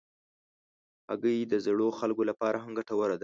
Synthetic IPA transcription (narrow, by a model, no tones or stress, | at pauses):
a̰ɡəjd̪əzɽoxalɡolapɑɾaɦamɡaʈawaɾad̪a